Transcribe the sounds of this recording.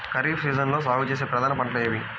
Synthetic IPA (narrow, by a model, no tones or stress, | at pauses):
kɐɾiːfsiːzɐnlo̞ːs̬aːʋut͡ʃeːs̬eːpɾɐd̪ʱaːnɐpɐɳʈlɐjɐʋi